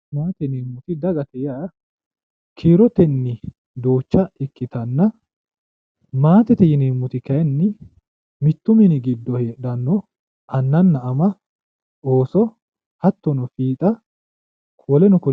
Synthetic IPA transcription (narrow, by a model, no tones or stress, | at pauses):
maːt̪ɛniːmːʊt̪ɪd̪ɐɡɐt̪ɛjaɐ | kʰiːɾɔt̪ɛnːɪ | d̪o̞ːt͡ʃːɐɪkːɪt̪ɐnːɐ | maːt̪ɛt̪ɛjɪneːmːʊt̪ɪkɐɛnːɪ | mɪt̪ːʊmɪnɪɡɪd̪ːɔheːɗɐnːɔ | ʔɐnːɐnːɐːmɐ | o̞ːsɔ | hɐt̪ːɔnɔfiːt̪ʼɐ | kʰɔlɛnʊkɔ